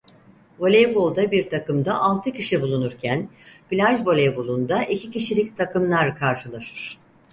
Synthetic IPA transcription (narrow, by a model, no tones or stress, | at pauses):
vo̞lʲebolˠd̪abiɾt̪ʰakɯmd̪aʔalˠt̪ʰɯciʃibulˠunuɾcʰænpilʲaʒvo̞lʲebolˠund̪aʔicʰiciʃilʲict̪ʰakɯmlˠaɾkʰaɾʃɯlˠaʃɯɾ̥